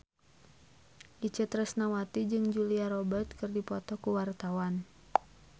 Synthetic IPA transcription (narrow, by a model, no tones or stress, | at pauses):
ʔit͡ʃət̪ɾəsnawat̪id͡ʒɨŋd͡ʒuliaɾɔbərt̪̚kɨrdipɔt̪ɔkuwart̪awan